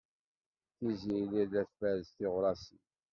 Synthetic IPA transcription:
θizililæθfæɾzθiʁɾˤɑsi

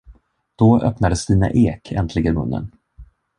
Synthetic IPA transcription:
d̪̥ɔœ̰pnad̪əsd̪iːna̰ʔeːkʰɛ̰nt̪ʰlɪɡənmɵ̰nːə̰n

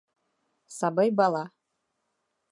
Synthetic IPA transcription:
sɑbɤjbɑlˠɑ

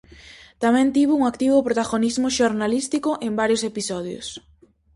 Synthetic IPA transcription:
t̪amɛ̃nt̪iβʊuŋakt̪iβʊpɾot̪aɣonizmʊʃoɾnalist̪ikʊʔembaɾjosepisɔð̞jʊ̰s

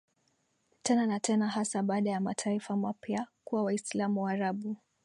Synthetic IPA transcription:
tʰɛnanatʰɛnaɦasaɓaːɗajamatʰaifamapjakuwawaislamuwaːɾaɓu

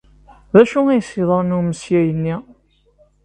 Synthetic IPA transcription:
ðæʃuæjsiðˤəɾˤnuməsjæjənːi

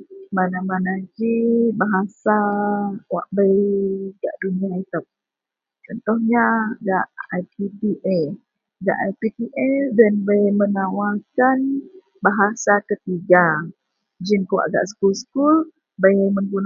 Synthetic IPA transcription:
manamanad͡ʒibaɦasa | wa̰ʔbəjɡaʔduniait̪əp̚ | t͡ʃɔnt̪ɔhɲaɡaʔajpipiʔɛ | ɡa̰ʔajpipiʔɛdanbəjmənawakan | baɦasakət̪iɡa | d͡ʒinkəwa̰ʔɡa̰ʔsə̥kulsə̥kul | bəjməŋɡun

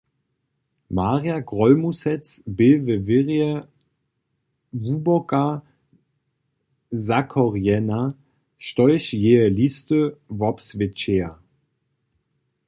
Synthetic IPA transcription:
maːʁjaɡʁɔlmusɛt͡sbɪvəvɪʁjə | vubɔka | zakʰɔʁjɛna | ʃtɔʏʃjeːəlistəvɔpsvɪt͡ʃeːɐ

